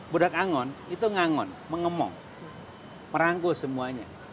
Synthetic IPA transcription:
bodakaŋɔnit̪uŋaŋɔ̰nməŋəmɔ̰ŋ | məɾaŋɡosəmuaɲa̰

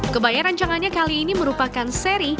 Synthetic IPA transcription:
kəbajaɾaɲt͡ʃaŋanɲakaliːniməɾupakanseɾi

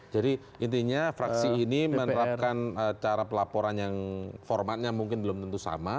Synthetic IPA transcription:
d͡ʒadi | ʔint̪iɲafɾaksiinimənəɾap̚kanət͡ʃaɾapəlapoɾanjaŋfɔrmat̪̚ɲamuŋkɪnbəlʊmt̪ənt̪usa̰ma

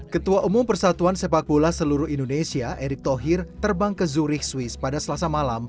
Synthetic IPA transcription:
kət̪uaʔumʊmpərsat̪uansepak̚bolasəluɾʊɦindonesiaʔeɾɪk̚t̪oɦɪrt̪ərbaŋkəzuɾɪhswɪspadasəlasamalam

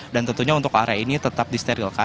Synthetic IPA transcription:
dant̪ənt̪uɲaunt̪ʊka̰ɾainit̪ət̪ap̚dist̪eɾilka

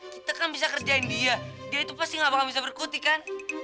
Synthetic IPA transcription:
it̪akanbisakərd͡ʒaɪndiadiait̪upastɪŋapakanbisabərkut̪ikan

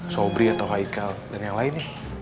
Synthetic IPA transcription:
sobɾiat̪awɦaikaldanjaŋlaɪnjah

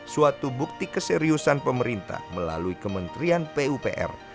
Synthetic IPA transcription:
suat̪ubuk̚t̪ikəseɾiusanpəməɾint̪a̰hməla̰luikəmənt̪ɾianpeupeʔɛ̰r

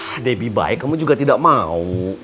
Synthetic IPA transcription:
debiba̰jkːamũd͡ʒuɡat̪idaʔmãw

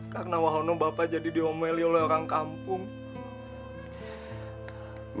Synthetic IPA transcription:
karnawaɦonɔbapad͡ʒadidiomɛliolɔoɾaŋkampʊŋ | m

